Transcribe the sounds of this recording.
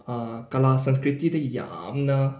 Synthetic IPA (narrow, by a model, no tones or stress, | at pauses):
akalasə̃ns̬kɾit̪ːit̪əja̰mnə